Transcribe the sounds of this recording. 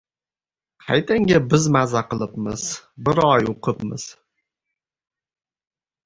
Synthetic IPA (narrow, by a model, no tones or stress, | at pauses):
qʰajt̪ʰaŋɡʲabɪzmazaqʰɨlˠɪpmɪ̰z̥bɪɾɒjoqʰɨpmɪz̥